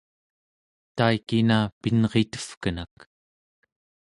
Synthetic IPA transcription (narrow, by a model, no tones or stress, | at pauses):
t̪aikinapinʁet̪ə̥fkənak